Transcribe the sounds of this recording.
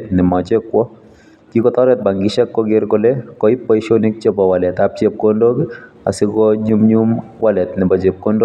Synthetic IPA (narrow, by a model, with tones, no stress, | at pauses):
t̪nɪ˨ma˨t͡ʃɛ˦kwɔ | ki˦kɔt̪ɔ˦ɾɛt̪̚ba˨ŋɡɪʃɛ˦kːɔɡɪ˦ɾkolekɔi˦pːɔ˦iʃoni˦k̚t͡ʃe˦bɔwalɛ˨t̪ap̚t͡ʃe˦p̚kondoɡ | a̰˨sɪkɔɲumɲum | walɛ˨t̪nɪ˨ba˨t͡ʃe˨p̚ko˦ndo˦